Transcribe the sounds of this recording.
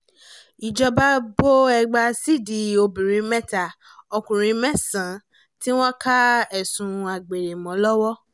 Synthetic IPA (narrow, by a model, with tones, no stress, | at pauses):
i˨d͡ʒɔ˧ba˦bo˦ɛ˧ɡ͡ba˧si˦˨di˧o˧bĩ˨ɾĩ˨˧˦mɛ̃˦ta˦˨ | ɔ˧kũ˨ɾ̃ĩ˨˧˦mɛ˦sã˨˦ | ti˦w̃ɔ̃˦ka˦ɛ˦˨sũ˧a˨ɡ͡be˨ɾe˨mɔ̃˨˦lɔ˦wɔ˦